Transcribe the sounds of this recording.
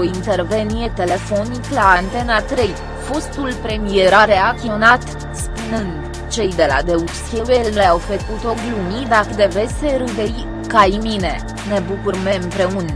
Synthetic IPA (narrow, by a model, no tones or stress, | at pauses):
oint̪e̞rve̞nije̞t̪e̞le̞fo̞niklaːnt̪e̞nat̪ɾe̞j | fo̞st̪ulpɾe̞mije̞ɾaɾeakt̪ionat̪ | spunɨnd̪ | t͡ʃe̞jd̪e̞la̰d̪e̞upsewelleawfekut̪o̞ɡlumid̪akəd̪e̞vesʲeɾud̪ei | kajmine | ne̞bukurme̞ɨmpɾe̞un